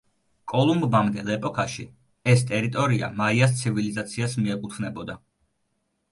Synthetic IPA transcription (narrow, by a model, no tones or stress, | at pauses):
kʼɔlˠumbbamd̪ɛlˠɛpʼɔkʰaʃi | ɛst̪ʼɛɾit̪ʼɔɾia̰maias̬t̪sʰivilizat̪sʰiasmiɛkʼut̪ʰvnɛbɔd̪a